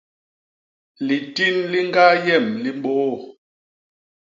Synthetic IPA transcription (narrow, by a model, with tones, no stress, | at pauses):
li˨ti˦nli˦ŋ˦ɡa˦jɛ˦˨mli˨m˦bo˨˦˨